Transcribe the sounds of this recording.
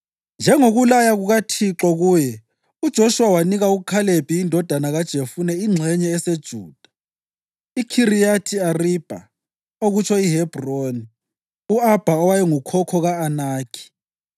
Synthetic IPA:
nd͡ʒʱɛŋoɣulajaɣuɣatʰiǁɔɣujɛ | ud̥ʒ̥ʱoʃuwawaniɣauɣukʰaleb̥ʱijindʱɔd̥ʱanaɣad̥ʒ̥ʱefunɛiŋ͡ǀʱɛɲɛːsed̥ʒ̥ʱuːd̥ʱḁ | ikʰirijatʰiarib̥ʱa̰ | oɣut͡ʃʰɔiɦɛb̥ʱroni | uab̥ʱaɔwajɛŋukʰɔkʰɔɣaːnaːkʰi̥

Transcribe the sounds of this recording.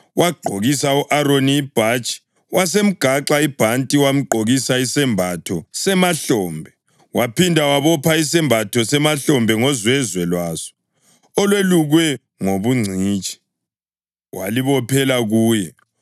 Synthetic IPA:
waɡ͡ǃʱoɣisauʔaroniːb̥ʱat͡ʃʼi̥ | wʔasem̩ɡ̥ʱaǁaib̥ʱantʼiwam̩ǃʱoɣisaisɛmbʱatʰɔsɛmaɬɔːmbʱɛ | wapʰindʱawaβɔpʰaisɛmbʱatʰɔsɛmaɬɔmbʱɛŋɔzwɛzwɛlwaːsɔ̥ | ɔlweluɣwɛ | ŋoβuŋ͡ǀʱiːt͡ʃʼi̥ | wa̰liβɔpʰɛlaɣuːjɛ

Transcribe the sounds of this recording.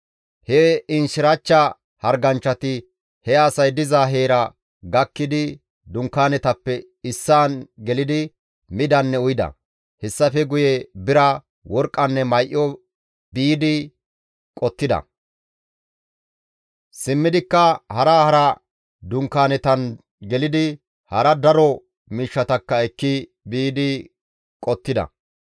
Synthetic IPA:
hɛɪnʃɪɾɐt͡ʃːɐ | hɐɾɡɐnt͡ʃːɐt̪ɪ | hɛasɐjd̪ɪzaɦeːɾɐ | ɡɐkːɪd̪ɪ | d̪ʊŋkːaːnɛt̪ɐpːɛ | ɪsːaːnɡɛlɪd̪ɪ | mɪd̪ɐnːɛʊjɪd̪ɐ̰ | hɛsːɐfɛɡʊjɛbɪɾɐ | wɔɾkʼːɐnːɛmɐjʔɪɔ | biːd̪ɪ | kʼɔt̪ːɪd̪ɐ̰ | sɪmːɪd̪ɪkːɐhɐɾaːhɐɾɐ | d̪ʊŋkːaːnɛt̪ɐn | ɡɛlɪd̪ɪ | hɐɾɐd̪ɐɾɔ | miːʃːɐt̪ɐkːɐɛkːɪ | biːd̪ɪ | kʼɔt̪ːɪd̪ɐ̰

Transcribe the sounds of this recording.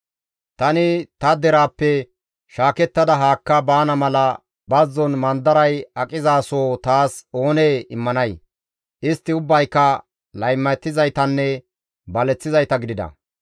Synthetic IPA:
t̪ɐnɪt̪ɐd̪ɛɾaːpːɛ | ʃaːkɛt̪ːɐd̪ɐɦaːkːɐbaːnɐmɐlɐ | bɐzːɔnmɐnd̪ɐɾɐjɐkʼɪzaːsoːt̪aːso̞ːneːɪmːɐnɐj | ʔɪst̪ːɪʊbːɐjkːɐ | lɐjmːɐt̪ːɪzɐjt̪ɐnːɛ | bɐlɛt͡sːɪzɐjt̪ɐɡɪd̪ɪd̪ɐ̰

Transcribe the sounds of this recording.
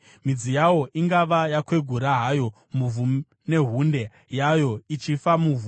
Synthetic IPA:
mid͡zijawo̞ʔiŋɡaʋajakwe̞ɡʱuɾaɦajo̞ | muvu | ne̞ɦunde̞ | jajo̞it͡ʃifamuvu

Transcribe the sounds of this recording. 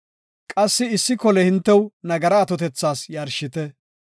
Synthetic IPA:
kʼɐsːɪɪsːɪkɔlɛhɪnt̪ːɛwnɐɡɐɾɐːt̪ɔt̪ɛt͡sːaːsjɐɾʃɪt̪ɛ

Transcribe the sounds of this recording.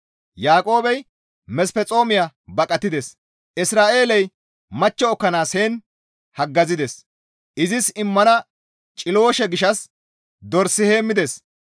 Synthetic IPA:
jaːkʼo̞ːbɛj | mɛspɛt͡sʼo̞ːmɪjabɐkʼɐt̪ːɪd̪ɛs | ʔɪsɾaːʔe̞ːlɛj | mɐt͡ʃːɔːkːɐnaːshe̞ːn | hɐɡːɐzɪd̪ɛs | ʔɪzɪsɪmːɐnɐ | t͡ʃʼɪlo̞ːʃɛɡɪʃɐs | d̪ɔɾsːɪhe̞ːmːɪd̪ɛs

